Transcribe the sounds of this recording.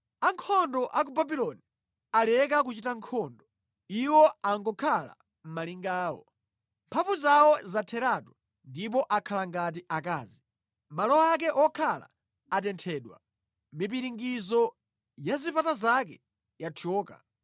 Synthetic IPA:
aŋkʰɔndɔʔak̬ubabilɔni | alɛk̬akut͡ʃitaŋkʰɔndɔ | iwɔaŋɡɔkʰala̰ | m̩maliŋɡaːwɔ̰ | mpʰavuzawɔzatʰɛɾatɔ | ndip̬ɔʔakʰalaŋɡat̬iʔakaːzi | malɔak̬ɛʔɔkʰala̰ | at̬ɛntʰɛːɗwa̰ | mip̬iɾiŋɡizɔ | jazipatazakɛ̰ | jatʰɔːka̰

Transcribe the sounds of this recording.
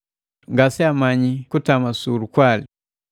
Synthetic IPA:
ŋɡasɛamaɲikutamasulukwali

